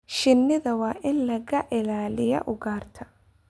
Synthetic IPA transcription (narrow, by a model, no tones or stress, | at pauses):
ʃɪnːɪðɐwɑːʔɪnlɐɣɐʔɪlaːlɪjɐ̰ʔʊɡaːrt̪ʰɐ̥